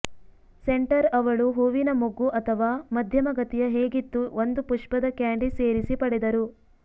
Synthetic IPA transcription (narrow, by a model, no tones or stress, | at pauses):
seɳʈɐɾɐʋɐɭuɦuʋinɐmuɡuʔɐt̪ʰɐʋaːmɐd̪ʱjɐmɐɡɐt̪ijɐɦeːɡit̪ːuond̪upuʂpɐd̪ɐkjaːɳɖiseːɾisipɐɽɛd̪ɐɾu